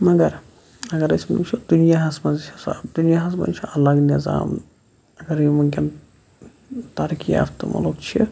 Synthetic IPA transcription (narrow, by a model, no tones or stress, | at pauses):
mɐɡɐɾ | ɐɡɐɾɐsʲmɐnṵkt͡ʃʰid̪unijaːɦɐsmɐzt͡ʃʰɐsd̪unijaːɦɐsmɐ̰nt͡ʃʰiɐlɐɡniza̰ːm | ɐɡɐɾjmɐkʲɐn | t̪ɐɾkija̰fʰt̪ɨ̰mʔɐ̰lokt͡ʃʰḭ